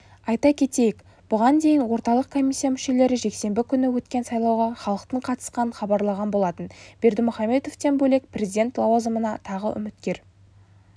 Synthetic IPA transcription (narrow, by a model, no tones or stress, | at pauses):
ɑjt̪ɑkʲʰe̞t̪e̞jɪk | b̥ʊʁɑnd̪e̞jɪnwo̞ɾt̪ɑlˠəq̚kʰo̞mʲisːijamʏʃe̞le̞ɾɪʒe̞kse̞mbɪkʲʰʏnɪwɵt̪kʲe̞nsɑjlˠɑwʁɑχɑlˠəqt̪əɴqʰɑt̪ə̥sqɑnənχɑbɑɾlˠɑʁɑnbo̞lˠɑt̪ənb̥e̞ɾd̪ɪmʊχɑme̞t̪o̞ft̪e̞nbɵle̞k̚prʲe̞zʲid̪ʲe̞nt̪lˠɑwɑzəmənɑt̪ʰɑʁə̰ʔʏ̰mɪt̪kʲe̞ɾ